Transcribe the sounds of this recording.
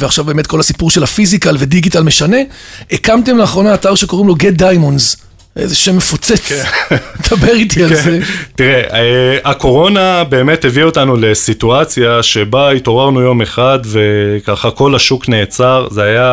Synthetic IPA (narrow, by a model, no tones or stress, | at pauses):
veaχʃavbemet̪̚ko̞lhasipuʁʃe̞lhafizikalve̞diɡitalme̞ʃane̞ekamtemleːχʁo̞naːtaʁʃe̞ko̞ʁimlo̞ɡed̪ajmonz | ʔḛzeʃemːefot͡set͡sed̪abeʁit̪ialzetiʁeeako̞ʁo̞nabe̞ːmethevio̞tanule̞situat͡sjaʃe̞baito̞ʁaʁnujo̞me̞χad̪ve̞kaχako̞laʃukne̞ːt͡saʁzeaja